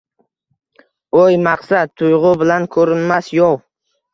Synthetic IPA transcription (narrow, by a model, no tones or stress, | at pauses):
ojmaqsat̪̚ʰːʊjʁʊbɪlankʰɵɾɪnmasjow